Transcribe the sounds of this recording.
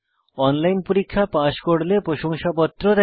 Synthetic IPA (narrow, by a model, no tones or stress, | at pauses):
ɔnlajnpoɾikʰːapaʃkoɽlepɾoʃoŋʃapɔt̪ːɾod̪ɛ